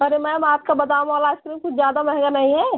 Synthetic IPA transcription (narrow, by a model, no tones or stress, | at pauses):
ɐɾemɛ̃maːp̚kabɐd̪aːʋũɔlaɪskɾiːmkʊt͡ʃʰzjaːd̪amɛɦŋɡanɐɦĩɦɛ